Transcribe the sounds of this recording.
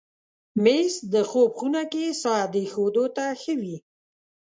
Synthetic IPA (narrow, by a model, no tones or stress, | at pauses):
mesd̪əxobxunakesɑd̪exod̪ot̪axəwi